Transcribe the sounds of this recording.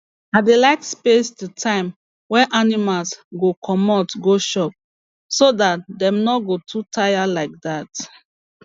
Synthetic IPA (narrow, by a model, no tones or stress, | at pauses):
adelaɪkspestutʰãɪ̃m | wɛ̃ʔanimalsɡokʰɔmɔtɡoʃɔp̚ | sodatdɛ̃mnɔɡotʰutʰaɪjalaɪk̚dat